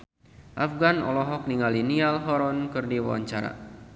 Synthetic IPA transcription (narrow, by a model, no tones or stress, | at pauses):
ʔafɡanɔ̰lɔɦɔk̚niŋalinialɦɔɾɔnkɨrdiwa̰wa̰ɲt͡ʃaɾa̰